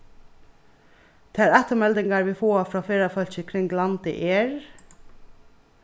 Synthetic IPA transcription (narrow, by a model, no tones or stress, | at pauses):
t̪ʰæːɾæt̪əmɛld̪ɪŋɡɑɹʋiːfoːfɹɑːfeːɾɑfœlçəkʰɾɪŋɡlɑnt̪ɪ̰ʔeːɹ